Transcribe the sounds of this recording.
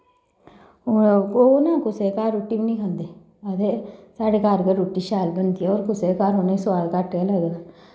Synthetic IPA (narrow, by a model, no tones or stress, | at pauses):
onãːkʊseːkaːɾɾoːʈːibiːnĩːkʰə̃nd̪eː | ət̪eːsaːɖeːkaːɾɡəɾoːʈːiːʃaːlbənd̪iɛoːɾkʊseːkaːɾoːnẽsʊaːlkaʈːaːləɡ